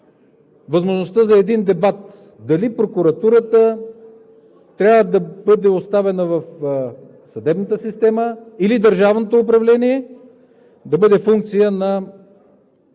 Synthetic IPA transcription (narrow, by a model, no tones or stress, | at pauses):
vəzmoʒnost̪əzɐɛd̪ind̪ɛbat̪ | d̪ɐlipɾokuɾɐt̪uɾət̪ə | t̪ɾʲavəd̪ɐbɤd̪ɛost̪avɛnəvɐf | sɐd̪ɛbnət̪əsist̪ɛməilid̪əɾʒavnot̪oːpɾɐvlɛniɛ | d̪ɐbɤd̪ɛfuŋk̚t̪sijənɐ